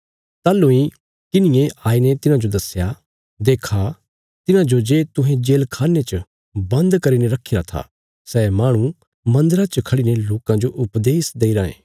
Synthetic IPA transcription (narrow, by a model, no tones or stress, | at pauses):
t̪aːlːoĩ | kɪnɪjẽʔaːinet̪ɪnãd͡ʒod̪ɐsja | d̪eːkʰa | t̪ɪnãd͡ʒod͡ʒeːt̪ʊɦẽd͡ʒeːlkʰaːnːet͡ʃə | bɐ̃nd̪kɐɾineɾɐkʰːiɾat̪ʰa̰ | sɛːmaːɽ̃ũ | mɐ̃nd̪əɾat͡ʃəkʰɐɽineloːkãd͡ʒoʔʊpd̪eːsd̪eːiɾaːḛ̃ː